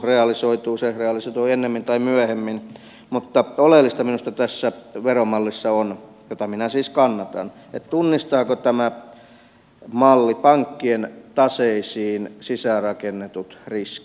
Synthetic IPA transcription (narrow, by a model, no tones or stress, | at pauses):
reɑlisoit̪uːsereɑlisoit̪uːenːemːint̪ɑimyæhemːin | mut̪ːɑolelːist̪ɑminust̪ɑt̪æsːæʋeromɑlːisːɑon | jot̪ɑminæsiːskɑnːɑt̪ɑn | et̪t̪unːist̪ɑːkot̪æmæ | mɑlːipɑŋkːient̪ɑseisiːnsisærɑkenːet̪ut̪riski̥